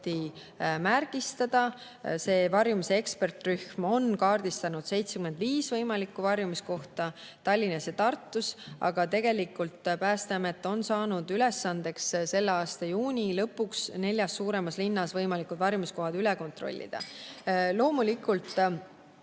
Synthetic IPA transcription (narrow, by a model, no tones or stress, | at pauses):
t̪i | mærɡist̪ɑd̪̥ɑ | se̞ːvɑrjumisee̞kspe̞rt̪ˑryhmo̞nkɑːrd̪̥ist̪ɑnud̪̥se̞jt̪sekyme̞nd̪viːsvɤjmɑlikːˑuvɑrjumisko̞ht̪ɑ | t̪ɑlʲːinɑset̪ɑrt̪ːusʔɑ̰ɡ̥ɑt̪e̞ɡ̥e̞likːult̪pæːst̪eɑmet̪ːˑo̞nsɑːnud̪ylɛsːɑnd̪̥e̞ksse̞lːeɑːst̪ɑjuːnʲilɤpːuksne̞lʲjɑsːuːɾe̞mɑslinːɑsvɤjmɑlikud̪vɑrjumisko̞ɦɑd̪̥ylɛko̞nt̪ro̞̰lʲːḭd̪̥ɑ̰lo̞ːmulikːult̪ˑ